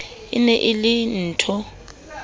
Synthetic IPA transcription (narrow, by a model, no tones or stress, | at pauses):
ḭnɛʔɪlɪn̩tʰɔ